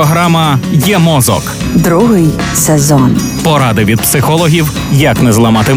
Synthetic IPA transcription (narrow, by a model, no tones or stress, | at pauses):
ɔɦɾɑmɐjɛmɔzɔ̰k | d̪ɾuɦɪj | sezɔn | pɔɾɑd̪ɪʋʲid̪̚psɪxɔlˠɔɦʲiw | jɐknɛzlˠɐmɑt̪ɪ